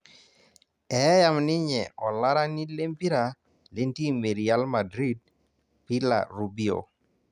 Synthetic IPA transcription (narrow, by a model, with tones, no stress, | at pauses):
ɛ˨˦ja˦mnɪ˦ɲɛ˨ʔɔ˨la˦ɾa˦ni˦le˦mpi˦ɾa˨ | le˦nti˦˨me˨ɾi˨a˦lma˨dɾi˦d̚ | pɪ˦la̰˨ɾu˨bi˦o̰˨